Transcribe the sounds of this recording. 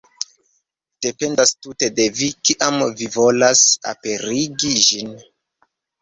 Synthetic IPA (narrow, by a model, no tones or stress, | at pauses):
d̥e̞pe̞ndastute̞de̞vikiʔamvivo̞lasa̰pe̞ɾiɡiʒin